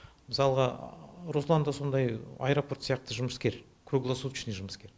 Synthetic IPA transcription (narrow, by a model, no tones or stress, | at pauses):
mɪsɑlˠəʁɑɾoslˠand̪ɑso̞nd̪ɑja̰jɾo̞po̞rt̪sijɑq̚t̪əʒʊməskʲe̞ɾ | kʰruɡlˠasut̪ʃneʒʊməskʲe̞ɾ